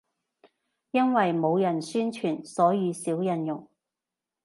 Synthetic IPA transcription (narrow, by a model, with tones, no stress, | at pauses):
jɐ˥nwɐ˨jmo˨˧wjɐ˨˩nsyː˥nt͡ʃʰyː˨˩nsɔː˨˥jiː˨˧siː˨˥wjɐ˧njʊ˨˩ŋ